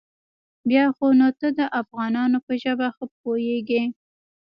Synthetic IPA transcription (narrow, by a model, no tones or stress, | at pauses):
bjɑxonot̪əd̪əʔafɣɑnɑnopəʒəbaxəp̚ojeɡi